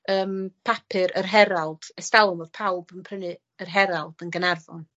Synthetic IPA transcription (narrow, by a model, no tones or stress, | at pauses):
əːmpʰapʰɨɾərɦɛɾalˠd̥ɛstalˠɔnvɔd̥pʰawbənpʰrənɨ | ərɦɛɾalˠd̥ənɡənarvɔn